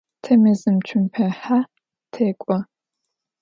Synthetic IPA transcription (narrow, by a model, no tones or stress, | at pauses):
tʰɐmɨzɨmt͡ʃʷʰʊmpʰɐħa | tʰeːkʷʼɔ